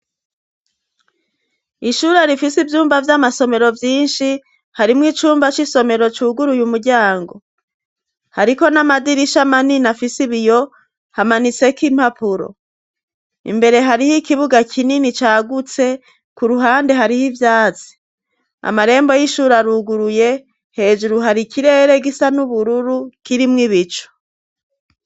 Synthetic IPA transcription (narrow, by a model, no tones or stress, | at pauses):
iʃuɾaɾifisivjuːmbavjamaso̞me̞ɾo̞vjiːnʃi | haɾimŋiːt͡ʃuːmbat͡ʃiso̞me̞ɾo̞t͡ʃuːɡuɾujumuɾɟaːŋɡo̞ | haɾiko̞namadiɾiʃamaninafisiβijo̞ | hamanit͡se̞kim̥hapʰuɾo̰ | ḭmbe̞ɾe̞ɦaɾihikiβuɡakʰininit͡ʃaːɡut͡se̞ | kuɾuɦaːnde̞ɦaɾihivjaːt͡si̥ | a̰maɾe̞ːmbo̞jiʃuːɾaɾuɡuɾuje̞ | he̞ːd͡ʒuɾuɦaɾikʰiɾe̞ɾe̞ɡisanuβuɾuɾukiɾimŋiβit͡ʃo̥